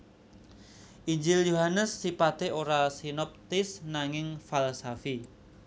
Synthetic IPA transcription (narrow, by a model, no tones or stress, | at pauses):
ʔiɲd͡ʒɪljuɦanəsːipat̪eoɾasinɔp̚t̪ɪsnaŋɪŋfalsafi